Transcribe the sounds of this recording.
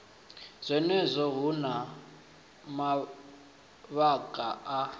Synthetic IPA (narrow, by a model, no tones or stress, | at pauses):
z̥ʷɛnɛzʷɔɦuna | ma | βakʼaa